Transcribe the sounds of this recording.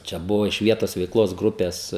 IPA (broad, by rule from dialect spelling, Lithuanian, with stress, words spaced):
t͡ʃʲɛ ˈbʊʋɐ ɪʃ ˈʋʲiɛtoːs ʋʲɛɪkˈlˠoːs ˈɡrʊpʲɛs